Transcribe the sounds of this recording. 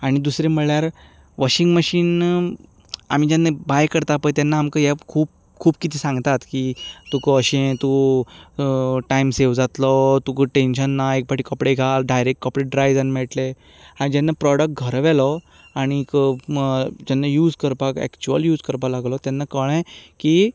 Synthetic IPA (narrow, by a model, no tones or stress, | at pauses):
aɽ̃id̪usɾẽməɭjaɾ | ʋəɕiŋɡməɕiːn | a̰m̤id͡ʑanːabajkəɾt̪apəjt̪anːaamkəjɛkʰuːp̚ | kʰuːb̚kit̪ʰiːsãŋɡt̪at̪kit̪ukoəɕẽt̪u | ʈaimseʋd͡zat̪lɔt̪ukəʈenɕənːaek̚baʈiːkɔpɽeɡʱalɖajɾek̚ʈ̚ːkɔpɾiʈ̚ɖɾajd͡zənmɛɭʈle | aɽ̃id͡ʑɛnːapɾɔɽək̚ʈ̚ɡʱəɾʋɛlɔ | aɽ̃ik | d͡ʑɛnːajuːd͡zkəɾpakɛ̰kt͡ɕuəljuːd͡zkəɾpalaɡlɔt̪anːakəɭ̃ẽki